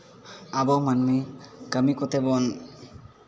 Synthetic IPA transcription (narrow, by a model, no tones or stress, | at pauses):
abomanmikəmikot̪ebon